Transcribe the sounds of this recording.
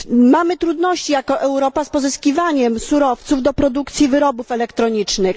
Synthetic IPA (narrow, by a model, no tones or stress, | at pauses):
mamɘt̪ɾud̪nɔɕt͡ɕijakɔʔɛwɾɔpaspɔzɘskʲivaɲɛmsuɾɔft̪suvd̪ɔpɾɔd̪ukt̪sʲjivɘɾɔbufɛlɛkt̪ɾɔɲit͡ʂnɘx